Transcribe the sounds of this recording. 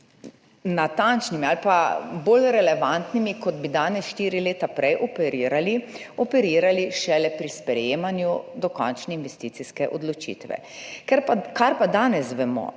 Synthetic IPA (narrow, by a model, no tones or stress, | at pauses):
nat̪ant͡ʃnimialpaboːlɾɛlɛʋant̪nimikɔd̪bid̪aːnɛsʃt̪iːɾileːt̪apɾʔɛjʔɔpɛɾiːɾaliɔpɛɾiːɾaliʃɛlɛpɾispɾɛjeːmanjud̪ɔkɔnt͡ʃnɛinʋɛst̪iːt̪siskɛʔɔd̪lɔt͡ʃḭːt̪ʋɛ̰ | kɛɾpakaɾpad̪aːnɛsʋɛmɔ̰